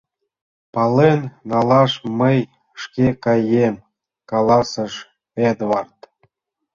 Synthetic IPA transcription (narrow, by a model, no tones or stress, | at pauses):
pɑlenːɑlɑʃməj | ʃkekɑjem | kɑlˠɑsə̆ʃ | ed̪vɑrt̪